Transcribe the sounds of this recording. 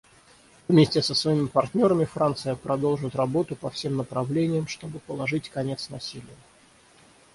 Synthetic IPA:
vmʲesʲtʲɪsəsvɐimʲɪpɐrtʲnʲo̞ɾəmʲɪfɾant̪sɨjəpɾɐd̪o̞lˠʐɨt̪rɐbo̞t̪ʊpɐfsʲe̞mnəpɾɐvlʲenʲɪjəmʂt̪o̞bɨpəlˠɐʐɨtʲkɐnʲe̞t̪snɐsʲilʲɪjə

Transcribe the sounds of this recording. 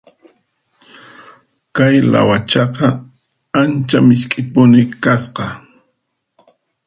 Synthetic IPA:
kajla̰wat͡ʃɑqɑ | ant͡ʃamɪʃkʼɪpʊnɪkasqɑ

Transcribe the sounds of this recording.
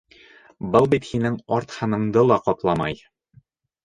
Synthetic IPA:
bɤlˠbit̪hinɘŋɒɾt̪hɑnɤ̆ɴd̪ɤlˠɑqɒt̪lˠɑmɑ̰j

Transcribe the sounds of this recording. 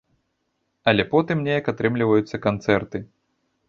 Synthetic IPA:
ɐlʲɛpɔt̪ɨmnʲejɐkat̪ɾɨmlʲivɐjut̪sːɐkant̪sɛrt̪ɨ

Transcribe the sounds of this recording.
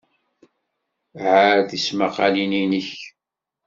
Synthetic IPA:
ʕaɾθismaqɑlininəç

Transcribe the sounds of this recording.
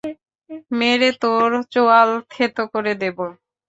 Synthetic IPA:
meɾet̪oɾt͡ɕoalt̪ʰet̪okoɾed̪ebo

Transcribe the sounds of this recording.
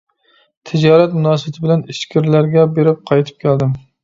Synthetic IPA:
t̪ʰɪd͡ʒɑːɾɛt̪munɑːsɨbt̪ʰɪbɪlɛniʃkʲʰiɾlæɾɡʲɛbeɾɪp̚qʰɑjt̪ʰɨ̥p̚kʲʰæld̪ɪm

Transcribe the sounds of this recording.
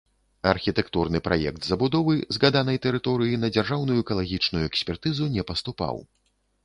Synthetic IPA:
ɐrxʲit̪ɛkt̪urnɨpɾa̰jɛ̰kt̪zɐbud̪ɔvɨzɣad̪anɐjt̪ɛɾɨt̪ɔɾɨjinɐd͡zʲarʐawnujuɛkɐlˠaɣʲit͡ʂnujuɛksʲpʲɛrt̪ɨzunʲɛpɐst̪upa̰w

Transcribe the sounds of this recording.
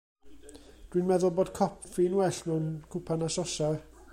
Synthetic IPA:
d̥winmɛðʊlˠboːd̥kʰɔpʰfiːnwɛɬb̥ɛwnkʰʊpʰanaʃɔʃa

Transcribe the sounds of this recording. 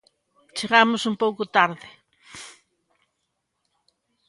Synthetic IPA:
t͡ʃeɣamʊsumpowkʊt̪aɾðɪ

